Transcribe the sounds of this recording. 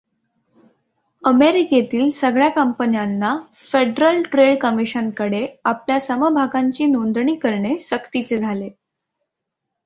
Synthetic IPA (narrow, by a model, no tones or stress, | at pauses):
əmeɾiket̪iːlsəɡɭjakəmpənjanːafeɖɾəlʈɾeɽkəmiɕənkəɽeapljasəməbʱaɡãɲt͡ɕiːnond̪ɳiːkəɾɳeɕəkt̪it͡sed͡zʱale